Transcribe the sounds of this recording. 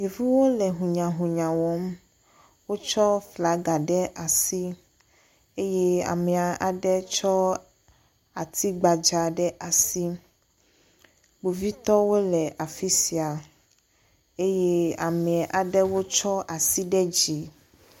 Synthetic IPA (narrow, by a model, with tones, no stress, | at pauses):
ɲi˨vu˦wo˦lɛ˨ɦũ˨ɲã˨ɦũ˨ɲã˨wɔ˨˦m | wo˦t͡ʃɔ˦fla˨˦ɡa˨ɖɛ˦ʔa˨si˦ | e˦jɛ˦a̰˨mɛ̃˨a˨ʔa˨ɖɛ˦t͡ʃɔ˦ | a˨t̪ʰi˦ɡ͡ba˨d͡ʒa˨ɖɛ˦ʔa˨si˦ | bu˨vi˦t̪ɔ˦wo˦lɛ˨ʔa˨fi˦si˨a˨ | e˦je˦a˨mɛ̃˨ʔa˨ɖɛ˦wo˦t͡ʃɔ˦ʔa˨si˦ɖɛ˦d͡ʑi˨